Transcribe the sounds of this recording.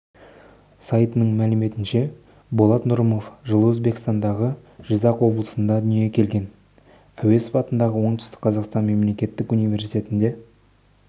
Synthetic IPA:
sɑjt̪ənəɴmælɪme̞t̪ɪnʃe̞ | bolˠɑt̪nʊɾəmo̞fʒəlˠəwɵzbe̞kʲst̪ɑnd̪ɑʁəʒ̥əzɑqwo̞blˠəsənd̪ɑd̪ʏnije̞kʲʰe̞lɡʲe̞n | æwe̞sfɑt̪ənd̪ɑʁəwo̞ɴt̪ʏ̥st̪ɪ̥kqʰɑzɑqst̪ɑnme̞mle̞kʲe̞t̪ːɪkunijvʲe̞ɾsi̥t̪ʰʲe̞t̪ɪnd̪e̞

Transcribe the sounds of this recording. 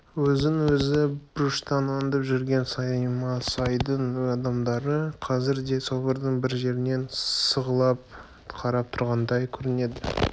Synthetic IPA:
wɵzɪŋwɵzɪbʊɾʊʃt̪ɑnɑnd̪ɑpʒʏɾɡʲe̞nsɑjmɑsɑjd̪əɴɵzɑd̪ɑmd̪ɑɾəqʰɑzɪɾd̪e̞so̞bəɾd̪əɴbɪɾʒe̞ɾɪne̞nsəʁəlˠɑp̚ | qʰɑɾɑp̚t̪ʰʊɾʁɑnd̪ɑjkʲʰɵɾɪne̞d̪ɪ

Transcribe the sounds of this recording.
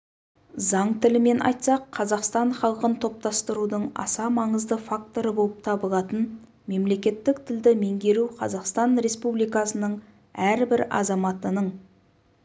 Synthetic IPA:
zɑɴt̪ʰɪlɪme̞nʔɑ̰jt̪sɑqʰːɑzɑqst̪ɑɴχɑlˠəqənt̪ʰo̞p̚t̪ɑst̪əɾud̪əɴɑ̰sɑmɑɴəzd̪əfakt̪o̞ɾəbo̞lˠəp̚t̪ʰɑbəlˠɑt̪ən | me̞mle̞kʲe̞t̪ːɪkt̪ʰɪld̪ɪme̞ŋɡʲe̞ɾuqʰɑzɑqst̪ɑnɾe̞spublijkɑsənəɴ | æɾbɪɾɑ̰zɑmɑt̪ənəɴ

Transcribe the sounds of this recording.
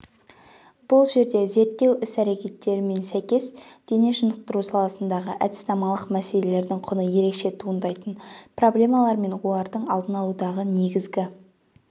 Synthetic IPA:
b̥ʊlˠʒe̞ɾd̪e̞ze̞ɾt̪ːe̞wʔɪsæɾe̞kʲe̞t̪ːe̞ɾɪme̞nsæjkʲe̞sd̪̥e̞neʒʊnəq̚t̪əɾusɑlˠɑsənd̪ɑʁəʔæd̪ɪ̥st̪ɑmɑlˠəqmæse̞le̞le̞ɾd̪ɪŋqʰʊnəje̞ɾe̞kʃe̞t̪ʰuənd̪ɑjt̪ənpro̞blʲe̞mɑlˠɑɾme̞nwo̞lˠɑɾd̪əɴɑlˠd̪ənɑlˠud̪ɑʁəne̞ɡʲɪzɡʲɪ

